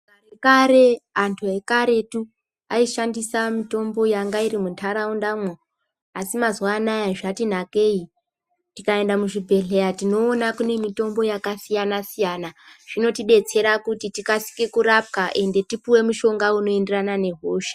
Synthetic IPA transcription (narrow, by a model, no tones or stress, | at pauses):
karekaɾe̞antʰue̞kaɾe̞tu | aiʃandisamito̞mbo̞jaŋɡairimuntʰaɾaundamwo | asimazwaːnajaʐatin̤ake̞i | tikae̞ndamuʐibʱe̞ɮejatino̞ːnakune̞mito̞mbo̞jakasijanasijanaʐ̥ino̞tiɓe̞t͡se̞ɾakutitikasi̥kekuɾap̚kaʔe̞nde̞tipuwe̞muʃo̞ŋɡauno̞e̞nde̞ranane̞ɦoːʃe̥